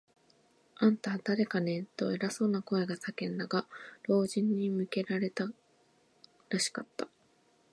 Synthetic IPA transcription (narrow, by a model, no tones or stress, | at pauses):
ãnt̪ad̪̥aɾe̞kane̞t̪ːo̞e̞ɾaso̞ːnako̞e̞ɡasakẽ̞nd̪aɡaɾo̞ːʑĩɲ̟ːimɯ̟ke̞ɾaɾe̞t̪a | ɾaɕi̥kat̪ːa